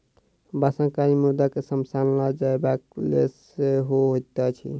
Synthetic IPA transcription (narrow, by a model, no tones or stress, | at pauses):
basə̃ŋkaɾimud̪akesəmsanlad͡ʒaebaklḛs | eɦoɦot̪ət͡ʃʰḭ